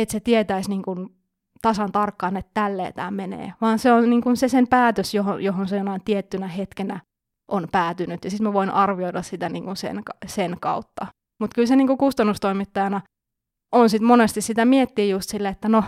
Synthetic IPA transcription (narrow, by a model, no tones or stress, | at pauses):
et̪set̪iet̪æisniːŋkun | t̪ɑsɑnt̪ɑrkːɑːnet̪tælːḛːt̪æ̰ːmmenḛːʋɑːnseonniːŋkunsesempæːt̪øsjoɦo̰joɦonsejonɑint̪iet̪ːynæhet̪kenæ | ʔonpæːt̪ynyt̪jɑsit̪mæʋoinʔɑrʋioiɾɑssit̪ænḭːŋkunsḛnkɑsenkɑ̰ut̪ːɑ | mut̪kylseniːŋkukust̪ɑnːust̪oimit̪ːɑjɑnɑ | ʔonsit̪monest̪issit̪æmiet̪ːiːjust̪silːeet̪ːæno